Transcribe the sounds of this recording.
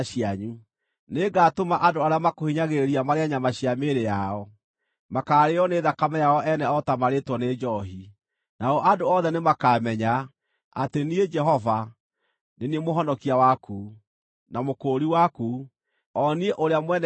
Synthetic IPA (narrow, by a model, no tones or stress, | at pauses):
ɕiaɲu | neɡaːtomaʔadoaɾeamakohiɲaɣeɾiamaɾeaɲamaɕjameɾejaɔ | makaːɾeɔneðakamɛjaɔʔɛnɛɔtamaɾetwɔned͡ʒɔɦi | naɔʔadoɔðɛnemakaːmɛɲa | a̰tenied͡ʒɛɦɔva | neniemoɦɔnɔkiawakuː | namokoːɾiwaku | ɔnieʔoɾeamwɛnɛ